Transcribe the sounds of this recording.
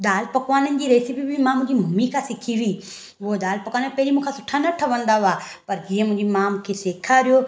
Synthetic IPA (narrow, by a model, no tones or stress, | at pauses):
ɗ̪aːlpɐkʋaːnənɪ̆d͡ʑiːɾeːsipibʱimãmʊ̃ɪ̃d͡ʑimʱʊmikʰãsɪkʰiʋiː | ʊɦod̪aːlpɐkʋaːnəpɐɦɪɾimũːkʰasʊʈʰanɐʈʰəʋɐ̃nd̪aʋaː | pɐɾd͡ʑiːə̃mʊ̃ɦɪ̃d͡ʑimãmũːkʰeseːkʰaɾijo